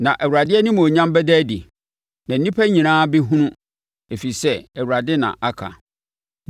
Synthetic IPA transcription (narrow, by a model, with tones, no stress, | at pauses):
nã˨ʔæ˨wu˨ɾa˨dɪ˦ɛ˦nɪ̃˦mõ˨ɲã˦m˦bɛ˦dæ˦dḭ˨ | nã˨n̩˦nĩ˦pʰæ˦ɲĩ˨nãː˦bi˦ɦũ˦nʊ̃˦ | e˨fi˨sɛ˦ɛ˨wu˨ɾa˨dɪ˦nã̰˨ʔa˦kʰa̰˨